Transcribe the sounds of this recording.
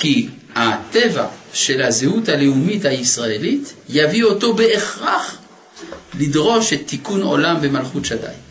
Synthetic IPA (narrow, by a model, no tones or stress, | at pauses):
ki | hat̪eva̰ʃe̞lazehuthaleumithaisʁaelitjavio̞to̞be̞ʔeχʁaχ | lidʁo̞ʃet̪ːikuno̞̰lambe̞malχutʃada̰jm